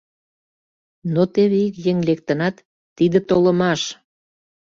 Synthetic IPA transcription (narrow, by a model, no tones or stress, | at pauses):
not̪eβeikjeŋlek̚t̪ənɑt̪ː | id̪ə̆t̪olə̆mɑʃ